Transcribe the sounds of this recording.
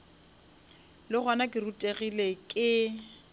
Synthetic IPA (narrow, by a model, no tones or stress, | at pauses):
lɪχwanakʼɪrutʼeɣilekʼɪ